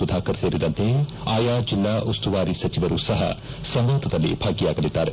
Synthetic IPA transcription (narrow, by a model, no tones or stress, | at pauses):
ʊd̪ʱaːkɐɾt̪eːɾid̪ɐ̃nt̪ʰẽaːjaːd͡ʒɪlːaːʔʊst̪uʋaːɾisɐt͡ʃiʋəɾusɐɦa̰ | sɐmʋot̪ʰɐt̪ɐlḛːbʰʱaːɡijaːkɐlit̪aːɾ